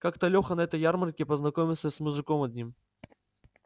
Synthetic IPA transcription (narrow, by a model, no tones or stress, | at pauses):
kakt̪ɐlʲoxənɐɛt̪əjarmɐrkʲɪpəznɐkomʲɪlˠsʲəsmʊʐɨkomɐd̪ʲnʲim